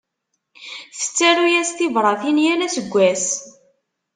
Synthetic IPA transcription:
θə̥t͡sːæɾujæst̪ivɾˤɑθinjælæsəɡʷːæs

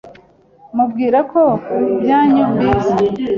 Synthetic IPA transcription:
mubɡiːɾakobjaːɲumɡiza

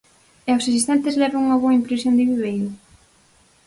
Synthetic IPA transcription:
ɛawsas̬ist̪ɛnt̪ɪzlɛβaŋuŋɐβoɐimpɾesjond̪ɪβiβejɾʊ

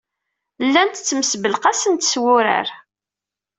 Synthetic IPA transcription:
lːænt̪ət͡sːməsbəlqasənt̪swʊɾə̰ɾ

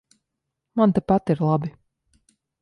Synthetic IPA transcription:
mant̪apat̪iɾlˠabi

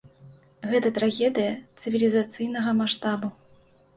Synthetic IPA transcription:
ɣɛt̪ɐt̪ɾaɣʲɛd̪ɨjɐt̪sɨvʲilʲizat̪sɨjnɐɣɐmaʂt̪abu

